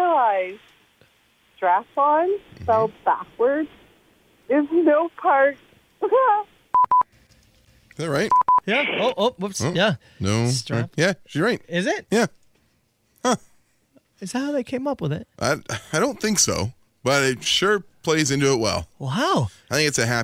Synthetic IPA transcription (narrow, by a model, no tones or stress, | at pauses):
laɪ̥ | stɹ̥æfɑnfɛlˠb̥æ̰kwə˞d | ɪznoʊpʰɑɹt̚ | ðæɹaɪt̚jæoʔop̚sjæ | noʊstɹ̥jæiɹaɪt̚ɪzɪt̚jæ | hʌ | ɨz̥thaʊðeɪkʰẽɪ̃mʌpwəðɪ̰t̚ʔa̰ɪaɪɾõʊ̃nθɪ̃ŋkso̰ʊ | b̥ʌɾɪtʃʊɹpʰl̥eɪzɪ̃ntʉət̚wɛ̰lˠaʊaɪθɪ̃ŋkɨtsɨɦæ